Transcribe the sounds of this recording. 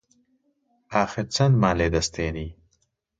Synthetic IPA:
aːxet͡sɐnd̪maːleːd̪ɐst̪eːni

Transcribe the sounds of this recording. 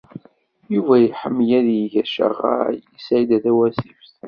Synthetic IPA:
juvæjəħəmːjæðjiʝæʃə̰ʁa̰jəsʕid̪æðæwæsifθ

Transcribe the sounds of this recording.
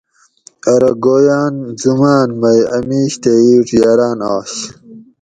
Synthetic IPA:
ɐɾɐɡoːjaːnzumaːnmɐjɐmiːɕt̪eiːʈjaɾaːnɑːɕ

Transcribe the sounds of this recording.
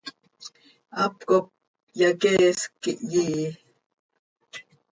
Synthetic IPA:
apkop̚ | jakeskːiʔjiː

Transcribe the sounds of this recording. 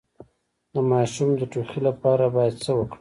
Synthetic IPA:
d̪əmɑʃumd̪əʈuxilapɑɾabɑjad̪səwəkɽii

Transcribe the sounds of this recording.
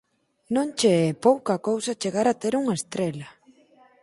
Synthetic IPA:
nõnt͡ʃeɛpowkɐkowsat͡ʃeɣaɾat̪eɾuŋɐest̪ɾelɐ

